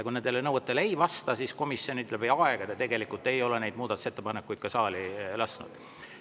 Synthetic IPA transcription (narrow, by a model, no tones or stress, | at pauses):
kujnend̪elːenɤwet̪ːˑeleejvɑst̪ɑsisko̞misːio̞nyt̪ːˑlebejɑeɡ̥ɑt̪ɑt̪e̞ɡe̞likˑult̪ːˑe̞jo̞lenejd̪muːd̪ɑt̪u̥se̞t̪ːepɑnekːˑujd̪̥kɑsɑːlilɑsnṵd̪̥